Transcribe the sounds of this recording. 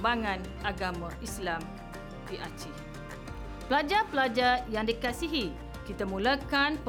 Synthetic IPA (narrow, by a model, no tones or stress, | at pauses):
baŋãn | aɡamãislam | diʔat͡ʃi | pəlad͡ʒapəlad͡ʒajaŋdikasiɦi | kit̪amũlakanp